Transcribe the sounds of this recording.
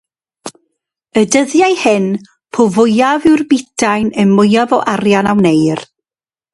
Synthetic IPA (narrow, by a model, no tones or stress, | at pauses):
ədəðjajhɪn | pʰʊvʊjavɪwrbɪdʰajnənmʊjavɔʔarjanawnejr